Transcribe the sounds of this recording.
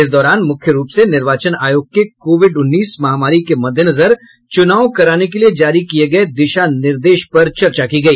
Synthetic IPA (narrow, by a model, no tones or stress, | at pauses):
ɪs̬d̪ɔːɾaːnmʊkʰjəɾuːpsenɪɾʋaːt͡ʃənaːjoːɡ̚kekoːʋɪɖʊnːiːsmɐɦaːmaːɾikemɐd̪ʱjənɐzəɾ | t͡ʃʊnaːokɐɾaːnekelied͡ʒaːɾikieɡɐed̪ɪʃanɪɾd̪eːʃpɐɾt͡ʃɐɾt͡ʃakiɡɐiː